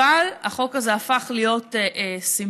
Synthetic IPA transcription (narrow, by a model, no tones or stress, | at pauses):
alaχo̞kazeafaχlijo̞teʔsim